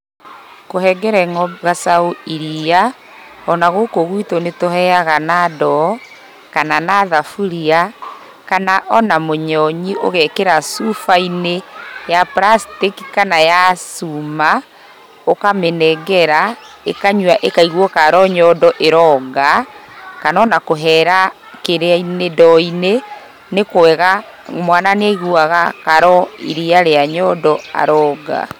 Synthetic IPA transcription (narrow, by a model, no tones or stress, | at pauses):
kohɛɡɛɾɛŋɔɣasaoiɾia | ɔnaɣokoɣwitonetohɛaɣanaːdɔ | kananaðafuɾia | kanaʔɔnamoɲɔɲiʔo̰ɣɛkeɾasufainejapɾastiki̥kanajasuma | okamenɛɣɛɾa | ekaɲwaʔekaiɣwɔkaɾɔɲɔdɔʔeɾɔːɡakanɔnakoɦɛɾa | keɾeainedɔine | nekoɛɣa | mwananeɣuaɣakaɾɔḭɾiaɾeaɲɔdɔa̰ɾɔːɡa̰